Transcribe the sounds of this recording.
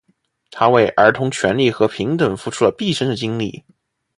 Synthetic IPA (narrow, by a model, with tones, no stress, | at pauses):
t̪ʰa˥we˥˩ɪʔə˞˧˥t̪ʰʊ˧˥ŋt͡ɕʰɥɛ˧˥nli˥˩xɤ˧˥pʰi˧˥ŋt̪ə˨˩nfu˧˥ʈ͡ʂʰu˥lə˨pi˥˩ʂə˥nd̪ə˨t͡ɕi˥ŋlḭ˥˩